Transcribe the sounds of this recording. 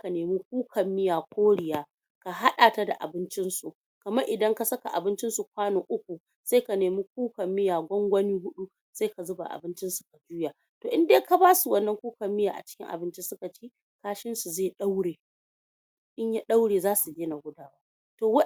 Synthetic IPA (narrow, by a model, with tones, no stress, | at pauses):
ka˨neː˨miː˦kʷuː˦kʰɐ˨mːɪ˦jaː˨kʷʰoː˦ɽɪ˨jaː˦ | ka˨ɦa˦ɗaː˨ta˦da˨ʔa̰˨bɪ˦nt͡ʃɪ˦nsu˨ | kɐ˨mɐ˦ʔɪ˨dɐ˦ŋka˨sɐ˦ka˨ʔa˨bɪ˦nt͡ʃɪ˦nsu˨kʷaː˦noː˨ʔʊ˦kʷu˨ | se˦ka˨neː˨mi˦k̚ʷuː˦kɐ˨mːɪ˦jaː˨ɡʷɔ˦ŋɡʷɐ˦niː˦hʊ˦ɗu˦ | se˦ka˨zʊ˦ba̰˨ʔa̰˨bɪ˦nt͡ʃɪ˦nsu̥˨ka˨d͡ʒuː˦jaː˨ | toː˨ʔɪ˦ndeː˦ka˨baː˦su˨wɐ˦nːɐ˦ŋkʷuː˦kɐ˨mːɪ˦jaː˨ʔa̰˨t͡ʃɪ̥˦kʲɪ̰˦ŋʔa̰˨bɪ˦nt͡ʃi˦sʊ˦ka˨t͡ʃiː˦ | kaː˦ʃɪ˦nsu˨zeː˦˨ɗa˦wɽeː˨ | ʔɪ˦ɲja˦ɗa˦wɽeː˨zaː˦su˨bʲeː˦na˨ɡʷʊ˦daː˨waː˦ | toː˨w